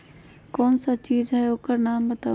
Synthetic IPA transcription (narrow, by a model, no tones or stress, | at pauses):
kɔːnsat͡ʃiːd͡ʒɦɛokəɾnambət̪aː